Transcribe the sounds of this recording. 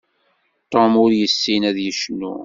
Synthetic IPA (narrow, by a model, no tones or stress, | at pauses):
t̪ˤːomʊɾjəsːinæðjəʃnːṵ